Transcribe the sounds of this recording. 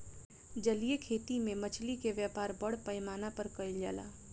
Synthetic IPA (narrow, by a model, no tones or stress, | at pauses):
d͡ʒəliekʰeːt̪imẽmɐt͡ʃʰlikeʋjaːpaːɾbəɽpɐɪmaːnapɐɾkɐɪlja̰ːla̰ː